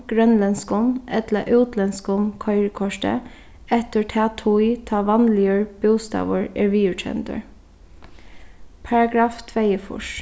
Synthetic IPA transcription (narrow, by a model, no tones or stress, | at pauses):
ɡ̥ɾœnlɛnskɔmɛt̪ləʔʉːt̪ʰlɛnskɔmkʰɔʏɹəkʰɔʃʈə̰ | ɛt̪ətʰɛːt̪ʰuɪt̪ʰɑːʋɑnlɪəɹb̥ʊːst̪ɑ̰ːʋəɹɛɹʋiːʉɹt͡ʃʰɛ̰nt̪ə̰ɹ | pʰɑɹɑɡɾɑːft̪ʰʋeɪəfʊ̰ʃ